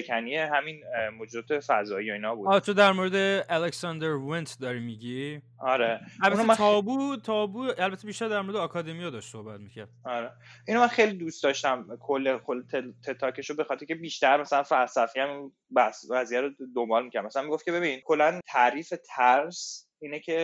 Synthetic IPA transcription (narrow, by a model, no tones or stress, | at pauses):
kʰænijeɦæminmod͡ʒed̪ɒːt̪ʰefæzɒːijoiːnɒbuːɒt͡ʃʰod̪æɾmoːɾed̪eæleksɒnd̪eɾvent̪ʰd̪ɒːɾimiɟi | ɒɾeælbæunoeɒːbut̪ʰɒːbuælbæt̪ʰːe̞biːʃt̪æɾd̪æɾmoɾed̪ɛːkʰɒd̪emijɒd̪ɒʃt̪so̞hbæt̪micʰæ̰ɾd̪̥ɒɾeʔinomænχejlid̪ust̪ɒːʃt̪æmkʰolːekʰolt̪ʰet̪ʰet̪ʰːɒːcʰeʃobe̞xɒːt̪ʰeɾicʰebiːʃt̪æɾmæsælænfælsæfiæmi | bæsvæzijæɾod̪o̞mbɒːlmicʰæɾd̪mæsælæmiɡof̚cee̞bininkʰo̞lːænt̪ʰæɾiːfet̪ʰæɾs | inecʰe̞